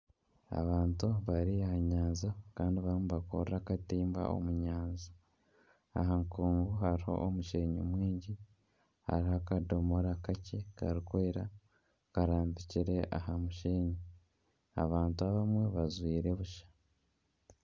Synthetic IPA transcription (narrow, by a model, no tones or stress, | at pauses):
a̰βaːntuβaɾiahaɲaːnzakaːndiβaɾmuβakoɾɾakatiːmba̰o̰muɲaːnzḁ | a̰ɦaŋkuːmɡuɦaɾiho̞̰ʔomuʃeːɲomwiːɲɟi | ha̰ɾihakadomoɾakacekaɾikwe̞ːɾa | kaɾaːmbiciɾe̞ʔa̰ɦamuʃeːɲi | a̰βaːntuaβamwe̞βazwiːɾe̞βuʃḁ